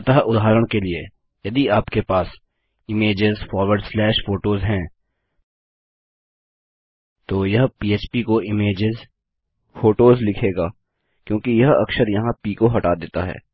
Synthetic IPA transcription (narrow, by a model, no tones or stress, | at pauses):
t̪aɦʔʊd̪ʱɦaːɾəɽ̃kelie | jɐd̪iaːpkepaːs | ɪmeːd͡ʒɪzfɔːɾwəɾɖslɛːʃfoːʈoːzɦɛ̃ː | t̪oːjɐɦpiːeːt͡ʃpikoʔɪmeːd͡ʒɪz | foːʈoːzlɪkʰeːɡaː | kjõːkijɐɦɐ̰kʃəɾjɐɦãpiːkoɦɐʈaːd̪eːt̪a̰ɦɛ̰ː